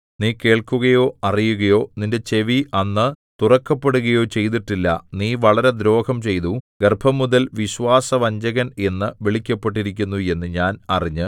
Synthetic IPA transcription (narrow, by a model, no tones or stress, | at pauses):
niːke̞ːɭkuɣɐjo̞ːɐrijuɣɐjo̞ːninde̞t͡ɕe̞ʋiʔɐnːɨ | t̪urɐkːɐpːeɽuɣɐjo̞ːt͡ɕe̞jt̪̬iʈːilːɐ̰niːʋɐɭɐɾe̞d̪ɾo̞ːkɐmt͡ɕe̞jt̪uɡerbʱɐmuðɐlʋiɕʋaːsɐʋɐɲd͡ʑɐɣɐne̞nːɨʋeɭikʲːɐpːe̞ʈ̬ːiɾikʲːunːue̞nːɨɲaːnɐriɲːɨ